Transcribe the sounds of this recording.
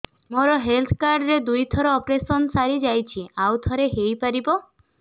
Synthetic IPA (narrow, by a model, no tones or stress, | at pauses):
moɾɔɦelt̪ʰkaɾɖɾed̪ujt̪ʰɔɾɔɔpɾesɔnsaɾid͡ʒajt͡ʃʰiawt̪ʰɔɾeɦejpaɾibɔ